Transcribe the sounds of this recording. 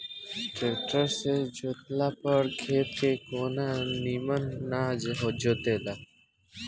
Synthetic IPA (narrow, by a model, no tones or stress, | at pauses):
ʈeːʈəɾsed͡ʒot̪laːpəɾkʰeːp̪̚kekoːnaniːmənːaːd͡ʒɦod͡ʒoːt̪eːla